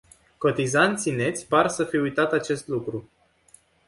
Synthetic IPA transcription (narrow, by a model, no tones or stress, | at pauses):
ko̞t̪izant̪sine̞t̪sʲparsəfiujt̪at̪at͡ʃe̞st̪lukɾu